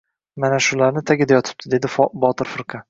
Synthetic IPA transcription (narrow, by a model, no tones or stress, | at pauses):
manaʃʊlaɾnɪt̪ʰaɡʲɪd̪ajɒt̪ʰɪ̥p̚t̪ʰɪd̪e̞d̪ɪbɒt̪ɪɾfɨɾqʰɑ